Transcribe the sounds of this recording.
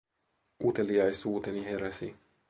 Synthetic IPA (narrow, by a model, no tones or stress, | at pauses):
ʔut̪e̞liɑjsuːt̪eniɦe̞ɾæsḭ